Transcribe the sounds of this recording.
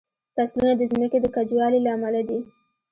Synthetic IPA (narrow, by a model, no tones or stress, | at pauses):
faslunad̪əzməked̪əkad͡ʒwɑlelaamalad̪i